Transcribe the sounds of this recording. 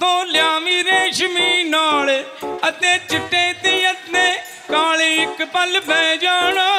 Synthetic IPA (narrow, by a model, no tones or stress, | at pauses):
t̪õːljaːʋiːɾeːʃəmiːnaːlət̪eːt͡ʃɪʈːeːt̪iːət̪neː | kaːliːɪkpəlbʱɛ̃ːd͡ʒaːno